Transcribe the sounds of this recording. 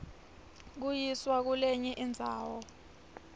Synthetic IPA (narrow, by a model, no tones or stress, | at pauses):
k̬ujiswak̬uleɲɛʔind͡zʱa̰ːwɔ